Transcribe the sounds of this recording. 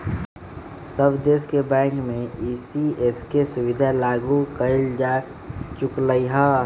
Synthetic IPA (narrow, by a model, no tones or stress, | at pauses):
səbd̪eːskebɛ̃ːŋkmẽiːsieskesʊwɪd̪ʱalaːɡukəɪld͡ʒa | t͡ʃʊkləiɦəː